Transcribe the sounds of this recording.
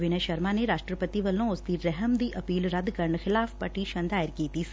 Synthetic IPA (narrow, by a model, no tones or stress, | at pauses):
ʋɪnəʃəɾmaːneɾaːʃʈɾəpət̪iʋəlːõʊsd̪iːɾɛɦəmd̪iːʔɐpiːlɾɐd̪kəɾəɳxʰɪlaːfpəʈiːʃə̃nd̪aːɪɾkiːt̪iː